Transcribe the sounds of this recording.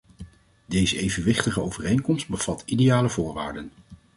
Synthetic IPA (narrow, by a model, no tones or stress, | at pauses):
dejzəejvənʋɪχtəχəowvərejŋnkɔmst̚bəv̥ɑtidejaːləvʊːɹʋa̰ːɹdən